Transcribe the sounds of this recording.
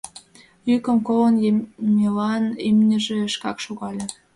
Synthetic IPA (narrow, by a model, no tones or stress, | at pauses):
ykə̆mkolənmʲelɑnymnʲə̆ʒeʃkɑkʃoɣɑlʲĕ